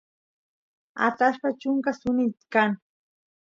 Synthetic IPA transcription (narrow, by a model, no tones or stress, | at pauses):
a̰t̪aʃpat͡ʃʊŋkasʊnɪt̪kaŋ